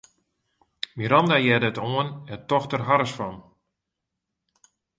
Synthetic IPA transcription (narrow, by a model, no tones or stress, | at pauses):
miɾɑndajɛdətoənɛtɔxtərɦaɾəsfɔn